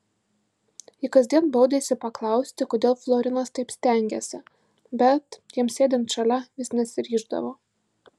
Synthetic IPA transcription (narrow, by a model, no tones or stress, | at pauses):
ɪkɐzʲd̪ʲiɛnboʊd̪ʲesʲɪpɐklˠɑˑʊsʲt̪ʲɪkoːd̪ʲeːlˠflˠoːɾʲɪnɐst̪ɐɪpsʲt̪ʲɛˑŋʲɡʲesʲɪ | bʲɛt̪jiɛmsʲeːd̪ʲɪnt̪ʃɐlʲɛʋʲɪsnʲɛsʲɪɾʲiːʒd̪ɐ̰ʋoː